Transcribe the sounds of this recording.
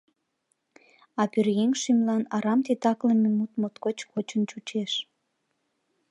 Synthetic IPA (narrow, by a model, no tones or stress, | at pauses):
ɑpyrjeŋʃymlɑnɑɾɑmt̪et̪ɑkləmemut̪mot̪kot͡ɕkot͡ɕənt͡ɕut͡ɕeʃ